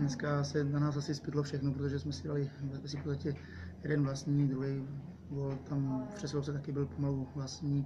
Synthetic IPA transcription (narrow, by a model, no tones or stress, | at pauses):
nɛskasɛnanaːsasɪspɪt̪lofʃɛxnop̬ɾot̪oʒɛsmɛsɪdalɪsɛsɪfpot̪st̪acɛ | jɛdɛnvlast̪ɲiːd̪ɾuɦɛj | volt̪amfpr̥ɛsɛlowsɛt̪akɪbɪlpomaluvlast̪ɲiː